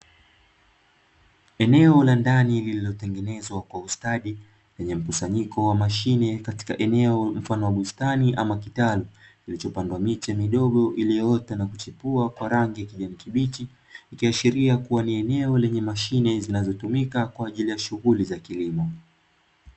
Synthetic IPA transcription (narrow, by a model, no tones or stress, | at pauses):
ɛnɛɔlandanilililɔtɛŋɡɛnɛzwakwaustaɗi | lɛɲɛm̩kusaɲikɔwamaʃinɛkati̥kaʔɛnɛɔm̩fanɔwaɓustaniʔamakitalukilit͡ʃɔpandwamit͡ʃɛmiɗɔɠɔʔiliɔtanakut͡ʃipuakwaɾaŋɡijakiʄanikiɓiti | ikiaʃiɾiakuwaniɛnɛɔlɛɲɛmaʃinɛzinazɔtumikakwaːʄilijaʃuɣulizakilimɔ